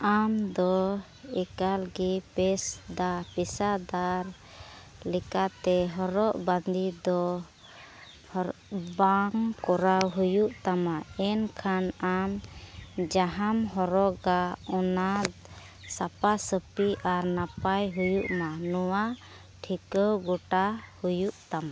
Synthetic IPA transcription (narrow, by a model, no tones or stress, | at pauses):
amd̪ɔ | ɛkalɡipɛsd̪apisad̪aɾ | lɛkat̪ɛɦɔɾɔʔband̪id̪ɔ | hbaŋkɔɾawɦujuʔt̪amaɛnkʰanam | d͡ʒaɦamɦɔɾɔʔɡaɔnat̪ | sapasəpiʔaɾnapajɦujuʔmanɔwa | ʈʰikəwɡɔʈahujuʔt̪ama